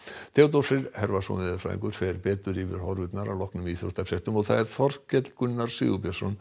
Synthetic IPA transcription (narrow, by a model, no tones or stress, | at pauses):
t̪ʰɛːwt̪ɔsɪɾhɛɾvasɔ̰nɪðafɾa̰ḭ̃ŋkʏɾ̥fɛɾpɛːt̪ʏɾivɪɾ̥hɔɾvʏt̪naɾa̰lɔhknʏmiːθɾɔht̪ḁsɛht̪ʏmɔθaðɛɾθɔr̥kɛt̪l̥kʏnːaɾ̥sḭɣupjasɔ̰n